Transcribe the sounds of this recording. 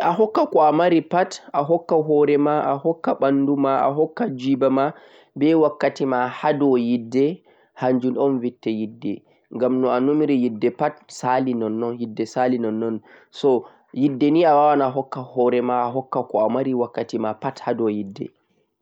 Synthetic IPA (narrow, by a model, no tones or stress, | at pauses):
ʔaɦɔkːakɔamaɾipatʔaɦɔkːaɦɔɾɛmaʔahɔkːaɓandumaa̰ɦɔkːad͡ʒibama | bɛwakːatimahadɔjidːɛ | haɲd͡ʒunɔnvitːɛjidːɛ̰ | ŋɡamnɔanumiɾɛjidːɛpatsalinɔnːɔnjidːɛsalinɔnːɔn | sɔ | jidːɛniawawanaaɦɔkːahɔɾɛmaaɦɔkːakɔamaɾiwakːatimapathadɔjidːɛ̰